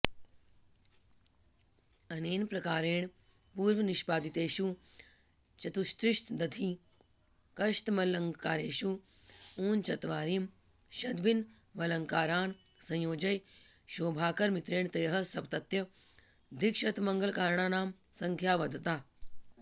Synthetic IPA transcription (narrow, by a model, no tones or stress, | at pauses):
ɐneːnpɾɐkaːɾeːɳ | puːɾʋəniʃpaːd̪it̪eːʃu | t͡ʃɐt̪ust̪ɾɪʃt̪d̪ɐt̪ʰiː | kɐʃt̪mɐlɐŋkaːɾeːʃu | uːnt͡ʃɐt̪ʋaːɾim | ʃɐd̪bin | ʋɐlɐŋkaːɾaːn | sɐ̃jjoːd͡ʒɐjʃoːbʱaːkɐɾmit̪ɾeːɳt̪eːɦɐ̆sɐbt̪ɐt̪jɐ | d̪ʱikʃɐt̪mɐŋɡəlkaːɾɳaːnaːmsɐŋkʰjaːʋɐd̪ʱt̪aː